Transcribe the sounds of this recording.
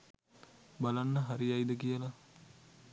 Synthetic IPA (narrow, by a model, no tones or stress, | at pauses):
balanːəɦaɾiajd̪əkijəlɐ